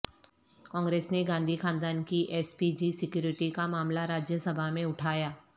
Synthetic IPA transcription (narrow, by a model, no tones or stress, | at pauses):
kɔ̃ːŋɡɾeːsneɡãːnd̪ʱixãːnd̪aːnkiʔɛːspid͡ʒisɪkjuːɾɪʈikamaːmlaɾaːd͡ʒjəsɐbʱamẽʊʈʰaːjaː